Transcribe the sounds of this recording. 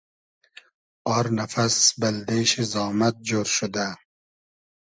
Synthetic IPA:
ɑːɾnafasbald̪eʃizɑːmat̪̚d͡ʒoɾʃʊd̪a

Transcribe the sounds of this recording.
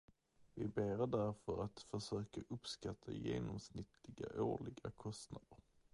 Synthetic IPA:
vɪbeːɾɖæɾfœɾat̪fœʂøːkaʔɵpskat̪ʰːajeːnɔmsnɪt̪ʰlɪɡaʔoːɭɪɡakʰɔst̪nad̪əɾ

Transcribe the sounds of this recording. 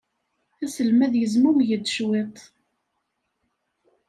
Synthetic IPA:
θæsəlmæðjəzmumjəd̪ːʃwet̪ˤ

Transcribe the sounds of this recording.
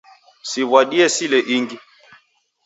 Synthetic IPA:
sivwaɗiɛsilɛʔiŋɡi

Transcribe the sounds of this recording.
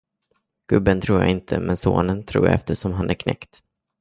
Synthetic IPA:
ɡ̥ɵbːənt̪ʰɾuːɾja̰ɪnt̪ʰəmɛnsoːnənt̪ʰɾṵːja̰ɛft̪əʂɔmɦanʔæɾkʰnɛ̰kt̪

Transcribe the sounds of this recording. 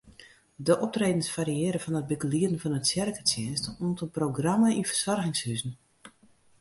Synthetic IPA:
dəʔɔp̚treːdən̩sfaɾiɪːɾəfɔnət̚bikəliədən̩fɔnətsjɛrkət͡sjɪnstuntənproɡraməinfərsɔrɣɪŋshyzn̩

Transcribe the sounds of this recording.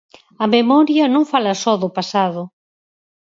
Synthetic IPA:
ɐmemɔɾjɐnõŋfalɐsɔðʊpasaðʊ

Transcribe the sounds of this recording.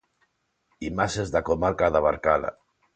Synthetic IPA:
imasezðakomaɾkaðaβaɾkala̰

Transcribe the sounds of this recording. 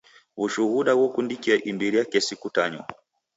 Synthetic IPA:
βuʃuhuɗawɔkundikiaʔimbiɾiakɛsikutaɲɔ̰

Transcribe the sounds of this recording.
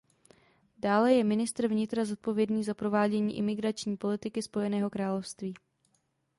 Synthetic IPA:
daːlɛjɛmɪnɪst̪ɾvɲɪt̪ɾazot̪̚po̞vjɛdniːzapɾo̞vaːɟɛɲḭːʔɪmɪɡɾat͡ʃɲiːpo̞lɪt̪ɪkɪspo̞jɛnɛːɦo̞kɾaːlo̞fst̪viː

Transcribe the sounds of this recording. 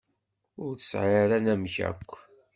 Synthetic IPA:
ʊɾθə̥sʕaɾænæmçæ̰kʷː

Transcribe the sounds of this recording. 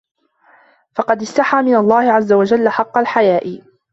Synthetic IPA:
fɑqɑd̪ɪst̪aħaːmɪnalˤːɑːhɪʕazːawad͡ʒalːaħɑqːɑlħajaːʔɪ

